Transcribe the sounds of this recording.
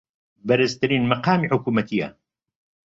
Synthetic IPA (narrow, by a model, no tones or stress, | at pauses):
bɐɾɨzt̪ɨɾiːnmɐqaːmiːħʊkuːmɐt̪ʰijɐ̰